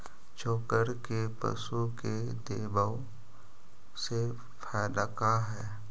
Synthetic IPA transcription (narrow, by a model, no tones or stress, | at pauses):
t͡ʃoːkəɾkepə̰suke | d̪eːbə | se | fʰɛːləkaɦɛː